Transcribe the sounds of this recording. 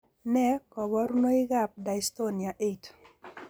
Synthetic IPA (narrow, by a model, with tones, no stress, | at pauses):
nɛ˦kɔ˨bɔ˦ɾu˦no˦ɪ˦ɡa˦p̚da˨i˨sto˦ni˨a˨ʔe˦t